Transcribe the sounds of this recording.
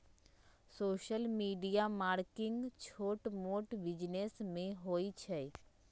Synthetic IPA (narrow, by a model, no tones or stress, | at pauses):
soːʃəlmiːɖijamaːɾkɪŋɡt͡ʃʰoːʈmoːʈbɪd͡ʒnesmẽɦoːit͡ʃʰɛ